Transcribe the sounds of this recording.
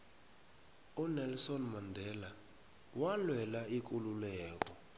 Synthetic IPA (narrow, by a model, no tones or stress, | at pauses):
unɛlsɔnmandʱɛla | walwɛlaik̬ʼululɛːk̬ɔ